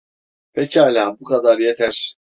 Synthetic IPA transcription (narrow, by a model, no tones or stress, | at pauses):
pʰecʰialʲaːbukʰad̪aɾjet̪ʰæɾ̥